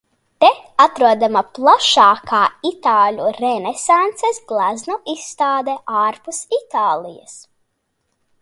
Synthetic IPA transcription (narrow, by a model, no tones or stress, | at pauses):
t̪ɛat̪ɾuɔd̪amaplˠaʃaːkʰaːit̪aːlʲuɾɛnɛsant̪sɛsɡlˠaznɔʔisːt̪aːd̪ɛʔaːɾpusit̪aːlˠḭjɐ̰s